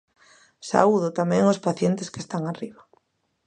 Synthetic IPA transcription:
sa̰uðʊt̪amɛ̃ŋʊspaθjent̪ɪskest̪aŋariβa

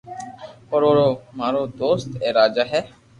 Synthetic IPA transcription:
oɾoːɾoːmaːɾoːd̪oːst̪eːɾaːd͡ʒaːɦɛː

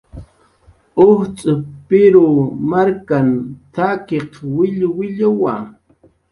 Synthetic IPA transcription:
ʊht͡sʼʊpɪɾʊmaɾkant̪akeqwɪʎwɪʎʊwa

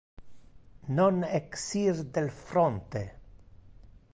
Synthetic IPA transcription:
noneksiɾd̪elfɾont̪e

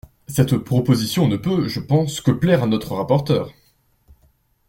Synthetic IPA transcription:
sɛt̪pχɔpozisjɔ̃nəpøʒəpɑ̃skəplɛʁanɔt̪χəʁapɔʁt̪œːʁ

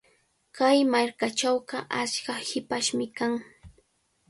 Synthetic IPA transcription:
kajmaɾkat͡ʃawɢɑʔat͡ʃkahɪpaʃmɪkaŋ

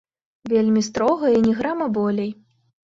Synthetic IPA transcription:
vʲelʲmʲist̪ɾɔɣɐinʲɛɣɾamɐbɔlʲej

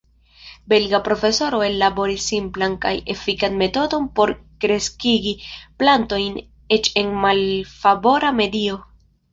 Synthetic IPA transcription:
be̞lɡapɾo̞fe̞so̞ɾo̞e̞lːabo̞ɾisːimplanka̰je̞̰fikanme̞to̞do̞npo̞ɾkɾe̞skiɡiplanto̞jn | e̞t͡ʃe̞nmalfabo̞ɾame̞dio̞

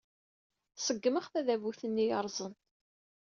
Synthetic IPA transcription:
səɡːəməχθæðævuθənːijɑɾˤzˤən

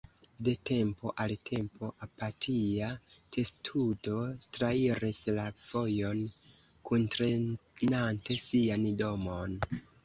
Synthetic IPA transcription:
de̞te̞mpo̞ʔaltʰe̞mpo̞ʔapatʰiatʰe̞stʰudo̞tɾaiɾislav̥o̞jo̞nkuntɾenante̞siando̞mon

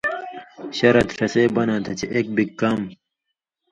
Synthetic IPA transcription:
ɕɐɾɐt̪fɐseːbɐnãːt̪ʰɐt͡ɕeʔeːk̚bikkːɐm

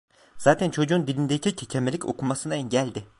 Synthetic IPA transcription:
z̥aːt̪ʰænt͡ʃʰo̞d͡ʒuːnd̪ilʲind̪ecʰicʰecʰemelʲicʰo̞̰kʰumasɯnaɛɲɟælʲd̪ɪ

